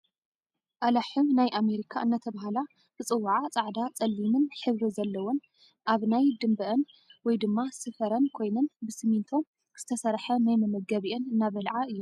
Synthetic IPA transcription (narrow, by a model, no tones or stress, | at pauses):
ʔalaħumnajʔame̞ɾikʰaʔɨnːɐt̪ʰɐβaɦala | b̥ɨt͡sʼɨwːaʕat͡sʼaʕd̪at͡sʼɐlːimɨnħɨβɾɨzɐlːɐwon | ʔaβnajd̪ɨmbɐʔɐn | wɔjd̪ɨmːasɨfɐɾɐnkʰo̞jnɐnbɨsɨmint̪ʰo̞m | kʰɨ̥ɨ̥t̪ʰɐsɐɾħɐnajmɐmɐɡɐβiʔenɨnːaβɐlʕaʔɨjːu